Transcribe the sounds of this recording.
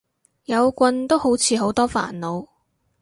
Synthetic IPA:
jɐ˨˧wkʷɐ˧nt̪o˥who˨˥wt͡sʰiː˨˧ɦo˨˥wt̪ɔː˥fa̰ː˨˩nlo˨˧w

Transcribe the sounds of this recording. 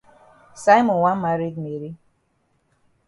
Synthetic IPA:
sa˦ɪ˦mɔ˨nwa˦n˦ma˨ɾi˦ɡme˨ɾi˦

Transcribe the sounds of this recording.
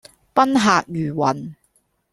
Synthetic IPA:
pɐ˥nɦaː˨k̚jyː˨˩wɐ˨˩n

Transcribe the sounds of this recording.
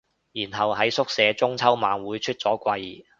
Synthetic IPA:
jiː˨˩nɦɐ˨wɦɐ˨˥jsʊ˥k̚sɛː˨˧t͡sʊ˥ŋt͡sʰɐ˥wmaː˨˧nwuː˨˥jt͡ʃʰɵ˥t̚t͡sɔː˨˥kʷɐ˧j

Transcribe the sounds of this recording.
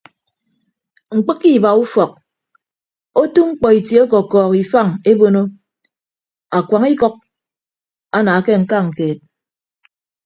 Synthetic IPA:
ŋ͡m̩˨k͡pɨ˦kːi˦˨ba˨u˦fɔ˨k̚ | o˦tu˦ŋ͡m̩˦k͡pɔ˨i˨tje˨˦o˦k̬ɔ˨kɔː˨ki˨fa˦˨ŋe˦bo˦no˦ | a˨kʷa˨ŋi˦kɔ˦k̚ | a˦na˨ke˦ŋ̩˦ka˦˨ŋ̩˨keː˨t̚

